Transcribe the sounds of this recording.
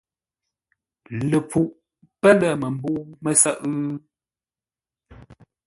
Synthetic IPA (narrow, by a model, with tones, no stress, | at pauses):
lə˨p͡fu˨ʔ | pə˦lə˨mə˨mbu˦mə˨sə˦˨ʔ